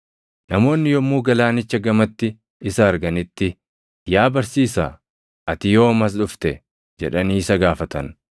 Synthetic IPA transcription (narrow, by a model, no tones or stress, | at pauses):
nɐmo̞ːnːɪjɔmːuːɡɐlaːnɪt͡ʃːɐɡɐmɐt̪ːɪ | ɪsɐːɾɡɐnɪt̪ːɪ | jaːbɐɾsiːsa̰ | ʔɐt̪ɪjo̞ːmɐs̬ᶑʊft̪ɛ | d͡ʒɛᶑɐniːsɐɡaːfɐt̪ɐn